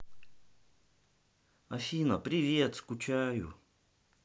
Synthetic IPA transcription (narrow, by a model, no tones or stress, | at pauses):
ɐfʲinɐpɾʲɪvʲet̪skut͡ɕajṵ